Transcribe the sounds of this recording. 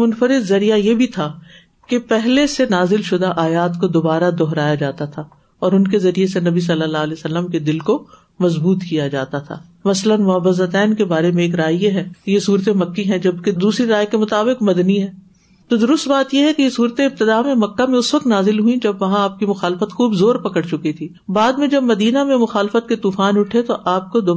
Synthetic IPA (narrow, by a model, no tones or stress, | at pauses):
mʊnfəɾɪd̪zɐɾijajebʱit̪ʰaː | kepɛɦlesenaːzɪlʃʊd̪aʔaːjaːt̪kod̪oːbaːɾad̪ɔɦɾaːjad͡ʒaːt̪at̪ʰaː | ɔːɾʊnkezɐɾijesenɐbis̬ɐlːəlːaːɦlɛːsɐlːəmked̪ɪlko | mɐzbuːt̪kijad͡ʒaːt̪at̪ʰa̰ː | mɐslənmʊɐbəzət̪ɛːnkebaːɾemẽeːk̬ɾaːjjeɦɛːkejesuːɾt̪ẽmɐkːiɦɛ̃d͡ʒɐbked̪uːsɾiɾaːjkemʊt̪aːbɪqmɐd̪niɦɛː | t̪od̪ʊɾʊst̪baːt̪jeɦɛkejesuːɾt̪eɪb̚t̪ɪd̪aːmẽmɐkːamẽʊsʋɐk̚t̪naːzɪlɦuĩd͡ʒɐbʋɐɦãaːp̚kimʊxaːlɪfət̪xuːbzoːɾpɐkəɽt͡ʃʊkit̪ʰiːbaːd̪mẽd͡ʒɐbmɐd̪iːnamẽmʊxaːlfət̪̚ket̪uːfaːnʊʈʰet̪oʔaːp̚kod̪o